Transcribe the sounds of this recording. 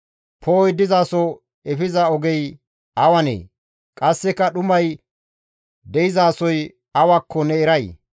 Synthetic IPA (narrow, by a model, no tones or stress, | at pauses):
pʰoːjd̪ɪzaːsɔ | ɛfɪzɐɔɡɛj | ɐwɐnḛː | kʼɐsːɛkːɐɗʊmɐj | d̪ɛɪzaːsɔj | ɐwɐkʰːɔnɛɛɾɐj